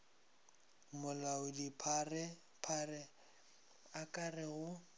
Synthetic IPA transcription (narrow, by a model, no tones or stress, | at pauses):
mʊlaʊdipʰarɛ | pʰarɛ | akʼarɛɣʊ